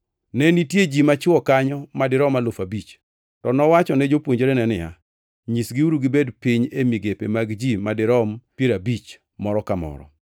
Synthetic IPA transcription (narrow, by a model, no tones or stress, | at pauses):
nɛnitjed͡ʒimat͡ʃɪɔkaɲɔmadɪɾɔmalofabit͡ʃ | tɔnɔwat͡ʃɔnɛd͡ʒopwoɲd͡ʒeɾenɛnɪa̰ | ɲisɡiuɾuɡɪbedpiɲemiɡepemaɡd͡ʒimadɪɾɔmpjeɾabit͡ʃ | mɔɾɔkamɔ̰ɾɔ̰